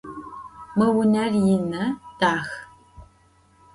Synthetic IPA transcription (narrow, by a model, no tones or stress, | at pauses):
mɐwʊnɐrjɪnɐd̥aːx